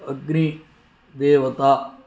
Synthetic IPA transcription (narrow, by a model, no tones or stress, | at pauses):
əɡɾĩː | d̪eːʋət̪aː